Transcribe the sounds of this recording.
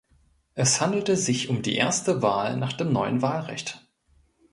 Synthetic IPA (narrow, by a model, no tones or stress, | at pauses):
ʔɛshandl̩təzɪçʊmdḭːʔeːɐstəvaːlnaːχd̥eːmnɔʏənvaːlʁɛ̰çt